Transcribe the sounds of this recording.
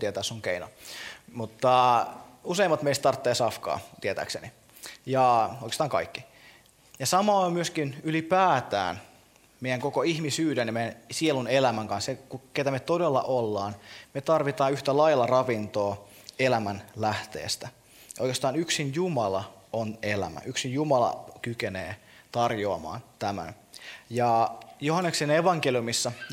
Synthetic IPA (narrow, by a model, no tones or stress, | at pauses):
t̪iet̪æːssuŋkeino̰mut̪ːɑ | useimːɑt̪meist̪t̪ɑrt̪ːeːsɑfkɑ̰ːt̪iet̪æ̰ːkseni | jɑoikest̪ɑːŋkɑ̰ikːi | jɑsɑmɑmyøskinylipæːt̪æ̰ːn | meijæŋkokoihmisyːdænjɑmejænsielunelæmæŋkɑnssekuket̪æmet̪odelːɑ̰ʔolːɑːnmet̪ɑrʋit̪ɑːnyht̪ælɑjlːɑrɑʋint̪oː | elæmænlæht̪ḛːst̪æ | ojkest̪ɑːnyksinjumɑlɑonelæ̰mæ̰ʔyksinjumɑlɑ̰kykenḛː | t̪ɑrjoɑmɑ̰ːnt̪æmæ̰n | jɑjoɦɑnːekseneʋɑŋkeljumisːɑ